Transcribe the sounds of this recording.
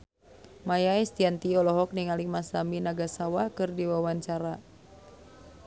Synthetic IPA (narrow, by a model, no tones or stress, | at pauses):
majaɛst̪iant̪iɔlɔɦɔk̚niŋalimasaminaɡasawakɨrdiwawaɲt͡ʃaɾa